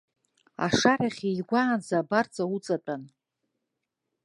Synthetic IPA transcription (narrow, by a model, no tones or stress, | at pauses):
a̰ʂaɾaχʲijɡʷaːnd͡zaːbart͡sʼaut͡sʼat͡pʼan